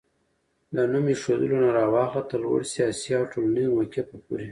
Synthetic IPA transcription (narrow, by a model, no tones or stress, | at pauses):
lanumeʂod̪əlonaɾɑwɑxlat̪əlwə̰ɽsiɑsiawʈolanizmakʲepəpṵɾe